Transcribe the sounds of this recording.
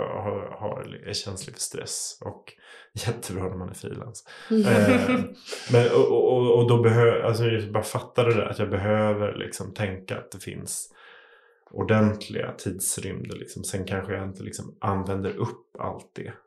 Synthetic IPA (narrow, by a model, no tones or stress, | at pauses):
haha̰ɾɛɕɛnslɪfœ̥ʂt̪ɾɛ̰sɔk | jɛt̪ʰːəbɾɑːnæɾmanæ̰ɾfɾḭːla̰ns | mɛnɔʔɔɔːd̪ɔbɛɦøːals̬ɔabɑːɾafat̪ːad̪ɛd̪æ̰ɾat̪jɑːɡbɛɦøːvəɾlʔɪ̰ksɔmt̪ʰɛŋkaat̪̚d̪ɛfɪ̰ns | ʔʊɖɛnt̪ʰlɪ̰ɡa̰t̪ʰiːd̪sɾʏmd̪əlɪksɔmsɛnkʰanɧəjaɪnt̪əlɪksɔmʔanvɛnd̪əɾʔɵpːa̰lt̪̚d̪ɛ